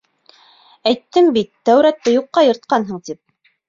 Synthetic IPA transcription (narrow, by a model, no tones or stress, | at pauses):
æjt̪ːɘmbit̪ːæwɾæt̪ːɘjuqːɑjɤ̆ɾt̪̚qɑnɦɤɴt̪ip̚